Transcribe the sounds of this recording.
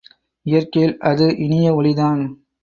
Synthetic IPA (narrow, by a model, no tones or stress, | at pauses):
ɪjɐrkɐjɪlʔɐðɯʔɪnɪjɐʋɔɭɪðaːn